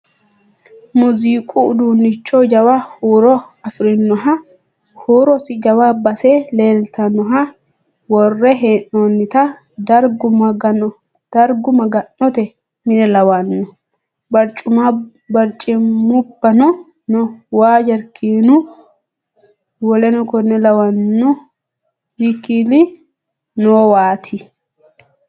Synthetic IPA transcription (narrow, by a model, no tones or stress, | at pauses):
mʊziːkʼuːd̪uːnːɪt͡ʃːɔd͡ʒɐwahuːɾɔ | ɐfɾɪnːɔɦɐ | huːɾɔsɪd͡ʒɐwabɐseleːlt̪ɐnːɔɦɐ | wɔrːɛɦeːnɔnːɪt̪ɐ | d̪ɐɾɡʊmɐɡɐnɔ | d̪̥ɐɾɡʊmɐɡɐnːɔt̪ɛ | mɪnɛlɐwɐnːʊ | bɐɾt͡ʃʼʊma | bɐɾt͡ʃʼːɪmʊbːɐnɔ | nɔwaːd͡ʒɐɾkiːnʊ | wɔlɛnɔkɔnɛlɐwɐnːʊ | wikilɪ | noːwaːt̪ʰɪ